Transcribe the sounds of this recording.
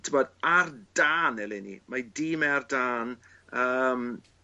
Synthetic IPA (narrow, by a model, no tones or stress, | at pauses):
tʰəbɔdardaːnɛlɪnḭmadiːmɛardaːn | əːm